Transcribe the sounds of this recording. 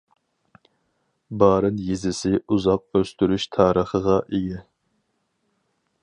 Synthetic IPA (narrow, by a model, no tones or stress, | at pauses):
bɑːɾɨnjezɪsɪuzɑq̚øst̪yɾyʃt̪ʰɑːɾəχəʁɑʔeɡʲɛ